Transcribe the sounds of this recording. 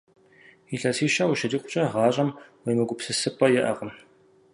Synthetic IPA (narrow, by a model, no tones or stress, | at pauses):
iɬɐsiːʃɐwʊʃɐdiːqʷʼʊ̥t͡ʃʼɐʁɑːɕʼɐmwejmɨɡʷʊpsɨsɨpʰʼɐjɛʔɐqʷəm